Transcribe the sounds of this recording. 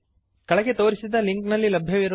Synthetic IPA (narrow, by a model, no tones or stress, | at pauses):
kɐɭɐɡe̞t̪o̞ːɾisid̪ɐliŋknɐlːilɐbʱjɐʋiɾ